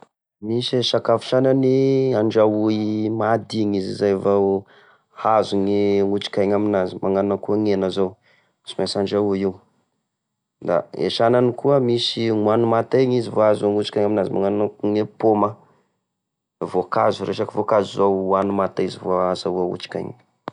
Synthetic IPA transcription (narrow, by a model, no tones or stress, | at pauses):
miseʃakafi̥ʃananiaɳd͡ʒauimad̪iŋizizajvaw | hazuŋeŋut͡ʃi̥kajɲaminazimʔaŋanunəkuaŋenəzow | misimasaɳɖ͡ʐaujiu | d̪a̰ḛʃananikuəmisiŋuanumat̪eɲizivoazuŋut͡ʃi̥kaɲaminazima̰ŋannakuŋepoma | vokazuɾeʃakivokazuzowanumat̪aizivoazauaṵt͡ʃi̥ka̰jɲi